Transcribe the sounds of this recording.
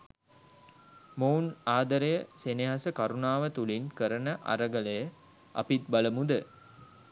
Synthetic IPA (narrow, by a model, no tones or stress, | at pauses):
moːnaːd̪əɾəjəseneɦasəkaɾunaːʋət̪ulinkəɾənəʔa̰ɾəɡələjə | ʔa̰pit̪̚baləmud̪ə